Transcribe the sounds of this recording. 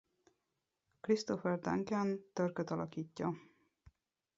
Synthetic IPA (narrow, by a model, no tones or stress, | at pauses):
krist̪ofɛrd̪a̰ŋkɛnt̪ørkøt̪ɒlɒkiːcːɒ